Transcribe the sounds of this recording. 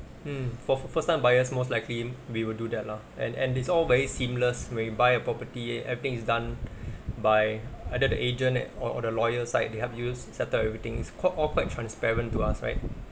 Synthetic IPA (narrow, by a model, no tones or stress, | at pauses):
m̩fɔfəstãɪmbaɪəsmoslaɪkliwiwɪldudɛt̚la | ɛ̰̃nɛ̰̃nitsɔlvɛɹisĩmləswɛ̃nwibaɪəpɹɔpətiɛ̃nɛ̰vɹit̪ɪ̃ŋisdãn | baɪaɪdədə̰ʔed͡ʒə̃nɔɔ̰dəlɔjəsaɪt̚deɦɛfjussɛtəlɛvɹit̪ɪ̃ŋɪskʰaʔɔlkwaɪtʰɹãnspɛɹə̃ntuasɹa̰ɪt̚